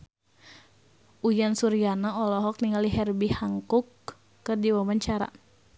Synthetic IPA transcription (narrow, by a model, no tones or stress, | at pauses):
ʔujansuɾijanaɔlɔɦɔk̚niŋaliɦɛrbihaŋkukː | ɨrdiwabaɲt͡ʃaɾa̰